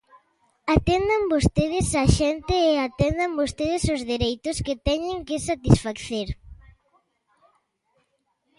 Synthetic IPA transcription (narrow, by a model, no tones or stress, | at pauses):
at̪end̪ambost̪eð̞ɪsaʃent̪ɪːat̪ɛnd̪ambost̪eð̞ɪsozðeɾejt̪ʊsket̪ɛɲɪŋkɪsat̪isfakθeɾ